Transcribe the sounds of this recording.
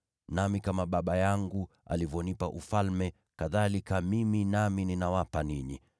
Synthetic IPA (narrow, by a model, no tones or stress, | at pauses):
namikamaɓaɓajaŋɡu | a̰livjɔnipaʔufalmɛ | kaðalikamiminamininawapaniɲi